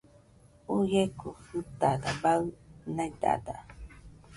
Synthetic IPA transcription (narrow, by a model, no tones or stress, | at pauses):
ujekufɨt̪adabaɯnãid̪a̰d̪a̰